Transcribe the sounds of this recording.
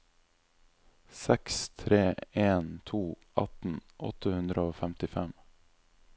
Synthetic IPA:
sɛkst̪ʰɾeːeːnt̪ʰuː | ʔɑ̰t̪n̩ʔɔ̰t̪əhʉnd̪ɾəoːfæmt̪ɪfɛm

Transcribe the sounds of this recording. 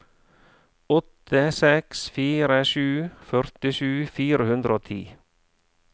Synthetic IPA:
ɔt̪əsɛksfiːɾəʃʉːfœɾt̪ɪʃʉːfiːɾəhʉnd̪ɾʔoːt̪ʰḭː

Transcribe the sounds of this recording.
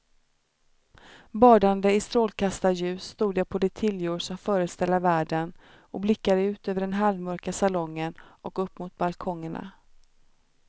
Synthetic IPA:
bɑːɖand̪əɪst̪ɾoːlkʰast̪ajʉ̟ːsːt̪uːd̪japʰɔd̪ɛt̪ʰɪljuːɖʂɔmfœːɾəst̪ɛlːəɾvæːɖən | ɔblɪkːad̪əʉ̟ːt̪øːvəɖɛnɦalvmœɾkasalɔŋːənɔkɵpːmʊt̪̚balkʰɔŋːəɳa̰

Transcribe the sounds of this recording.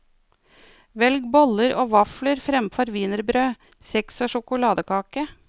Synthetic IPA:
ʋɛlɡbɔləɾʔo̰ːʋɑfləɾfɾɛmfɔɾʋiːnəɾbɾøː | sɛksoːʃʊkʊlɑːd̪əkʰɑːkə

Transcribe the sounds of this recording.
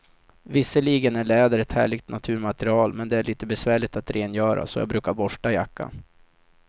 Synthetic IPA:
vɪsːəliːɡənæɭɛːd̪əɾɛt̪hæ̰ːɭɪɡt̪nat̪ʰʉ̟ːɾmat̪əɾɪɑːlmɛnd̪ɛæɭiːt̪əbɛsvæːɭɪt̪at̪ɾʔeːnjœːɾa̰sɔjɑ̰ːɡbɾʉ̟ːkaɾbɔʂʈajakːa̰n

